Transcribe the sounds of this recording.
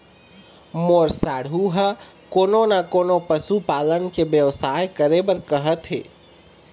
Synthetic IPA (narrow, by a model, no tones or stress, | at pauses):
moɾsaɽ̤uɦə | koːnonakonopəsupalənkebjəʋsajkəɾebəɾkəɦət̪ɦḛː